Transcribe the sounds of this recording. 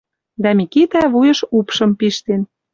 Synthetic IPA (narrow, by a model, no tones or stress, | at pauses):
d̪æmikit̪æβujɤ̆ʃupʃɤ̆mpiʃt̪en